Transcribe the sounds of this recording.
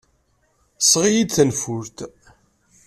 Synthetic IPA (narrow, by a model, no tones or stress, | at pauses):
sʁijid̪θənfʊɾt̪